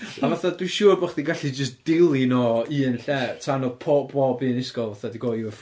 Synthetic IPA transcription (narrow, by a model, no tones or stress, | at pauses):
avaθadwiʃuːrbɔːχdiɡaɬid͡ʒəsd̥ɪlˠinɔɨːənɬɛtʰanɔpʰɔbɔbɨːənɪskɔlˠvaθadiɡɔf